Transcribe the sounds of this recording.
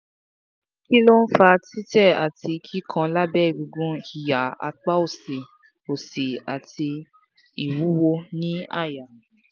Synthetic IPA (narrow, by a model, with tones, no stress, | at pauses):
ki˦lo˦n̩˦fa˧ti˦tɛ˦˨a˨ti˧kʰi˦kʰã˧la˦bɛ˦˨ɡu˧ɡũ˦i˨ja˨˦a̰˧k͡pa˦o˦˨se˨ | o˨se˨a˨ti˧ | i˨wu˨˦wo˧nĩ˦a̰˦˨ja˨